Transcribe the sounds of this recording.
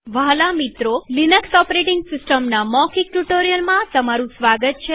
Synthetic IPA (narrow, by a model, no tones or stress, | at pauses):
ʋalamit̪ɾolinəksɔpɾeʈiŋɡsɪsʈəmnamɔkik̚ʈuʈoɾijəlmãt̪əmaɾũsʋaɡət̪̚t͡ʃʰe